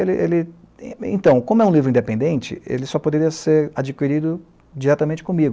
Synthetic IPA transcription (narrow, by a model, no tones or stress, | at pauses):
elɪʔelɪ̃ | ḛ̃t̪ɐ̃w̃kõmʊɛũlivɾʊĩnd̪epẽnd̪ẽnt͡ʃɪ̰ḛlɪsɔpod̪eɾiɐseɾad͡ʒikiɾid̪ʊ | d͡ʒiɾɛt̪ɐmẽnt͡ʃɪ̥kõmiɡʊ